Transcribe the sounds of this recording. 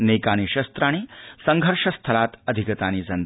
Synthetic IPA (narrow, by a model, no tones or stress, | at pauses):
neːkaːñiʃɐst̪ɾaːñisɐŋɡʱəɾʂɐst̪ʰɐlaːt̪ɐd̪ʱikɐt̪aːniːd͡zɐn